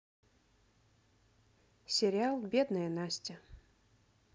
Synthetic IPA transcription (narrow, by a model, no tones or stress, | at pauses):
sʲɪɾʲɪalˠbʲed̪nəjənasʲtʲɪ